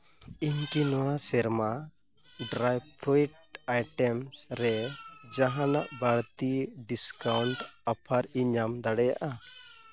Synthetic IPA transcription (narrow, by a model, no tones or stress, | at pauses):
iɲkinɔwasɛɾma | ɖɾajpɾɔiʈajʈɛmsɾɛd͡ʒaɦãnaʔbaɽt̪iɖiskawɳʈapʰaɾiɲamd̪aɽɛja̰ʔa